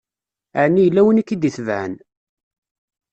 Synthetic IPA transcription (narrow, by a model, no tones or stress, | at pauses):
aʕnːijəlːæwənikːid̪iθvʕə̰n